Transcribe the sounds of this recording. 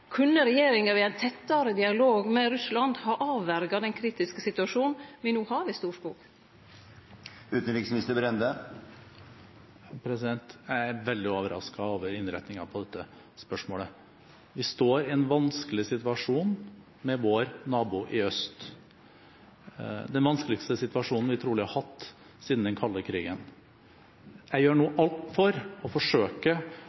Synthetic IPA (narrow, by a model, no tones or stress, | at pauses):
kʰʉnːəɾɛjeːɾɪŋɑʋɪæɪnt̪ʰɛt̪ːɑɾəd̪ɪɑloːɡmɛɾʉslɑnd̪hɑʔɑːʋːæɾɡɑd̪ɛnkʰɾiːt̪ɪskəsɪt̪ʉɑʂuːnn̩ʋɪnuːhɑʋɪst̪uːʂkuːɡ | ʉːt̪ən̩ɾɪksmɪst̪əbɾɛnd̪ə | pʰɾɛsɪd̪ɛnt̪jæɪæɾʋɛld̪ɪoːʋəɾɑ̰skɑoːʋəɾɪnɾɛ̰t̪nɪŋɑpʰɔd̪ɛt̪ːə | spœʂmoːlə | ʋɪst̪oːɾɪɛnʋɑnskəlɪsɪt̪ʋɑʂuːn | mɛʋoɾnɑːbuːʔɪœst̪ | d̪ɛnʋɑnskəlɪkst̪əsɪt̪ʋɑʂuːnn̩ʋɪt̪ʰɾuːlɪhɑɾhɑt̪ː | siːd̪n̩d̪ɛnkʰɑlːəkʰɾiːɡən | jæɪjøːɳuːʔɑlt̪fɔɾɔfɔʂøːkə